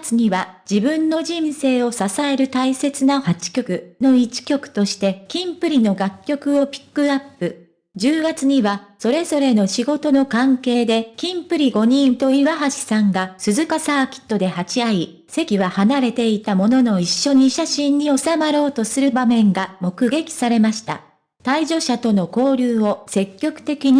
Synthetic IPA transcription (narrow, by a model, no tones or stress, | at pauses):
t͡sɨɲ̟iβad͡ʑibɯ̟̃nːo̞d͡ʑĩɰ̃se̞ːo̞sasae̞ɾɯ̟t̪aise̞t͡sɨnahat͡ɕi̥kʲo̞kɯ̟no̞it͡ɕi̥kʲo̞kɯ̟̥t̪o̞ɕi̥t̪e̞kʲĩmpɯ̟ɾʲino̞ɡakʲːo̞kɯ̟o̞pʲi̥kːɯ̟apːɯ̟ | d͡ʑɨːɡat͡sɨɲ̟iβaso̞ɾe̞zo̞ɾe̞no̞ɕiɡo̞t̪o̞no̞kãŋke̞ːd̪e̞kʲĩmpɯ̟ɾʲiɡo̞ɲ̟ĩt̪o̞iβaɦaɕi̥sãŋɡasɨzɨkasaːkʲi̥t̪ːo̞d̪e̞hat͡ɕiai | se̞kʲiβahanaɾe̞t̪e̞it̪amo̞no̞no̞iɕːo̞ɲ̟iɕaɕĩɲ̟ːio̞samaɾo̞ːt̪o̞sɨɾɯ̟bamẽ̞ŋɡamo̞kɯ̟ɡe̞kʲi̥saɾe̞maɕi̥t̪a̰ | t̪aiʑo̞ɕat̪o̞no̞ko̞ːɾʲɨːo̞se̞kʲːo̞kɯ̟̥t̪e̞kʲiɲ̟i